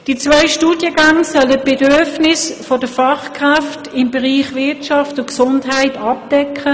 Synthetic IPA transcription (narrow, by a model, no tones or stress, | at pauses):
d̥it͡svaɪʃtuːdjəɡaŋsœlət̚b̥edyɐfnɪsfod̥əfɑχkʁaftɪmbeʁiːχvɪtʃɑftʊksʊntɦaɪtɑp̚d̥ɛkʰə